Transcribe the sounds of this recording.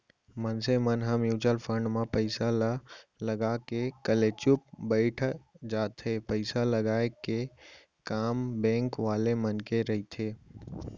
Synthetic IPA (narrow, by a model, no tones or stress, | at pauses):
mənsemənɦãmjuːd͡ʒəlpʰə̃ɳɖmãpəɪsalləɡakekəlet͡ʃʊp̚bəɪʈʰd͡ʒaːt̪ʰepəɪsaləɡaːeke | kaːmbẽːŋkʋaːlemənkeɾəɦit̪ʰeː